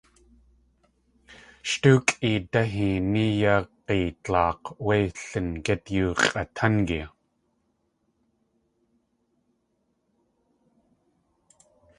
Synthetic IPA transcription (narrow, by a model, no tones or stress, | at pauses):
ʃt̪uːkʼit̪aɦinijaqeːtɑːqwejɬənket̪juːʁat̪ʰankia